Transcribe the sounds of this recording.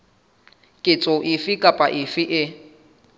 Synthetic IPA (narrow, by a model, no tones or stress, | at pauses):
kʼɪt͡sʼoʔɪfɪkʼapʼa̰ʔɪfɪʔɪ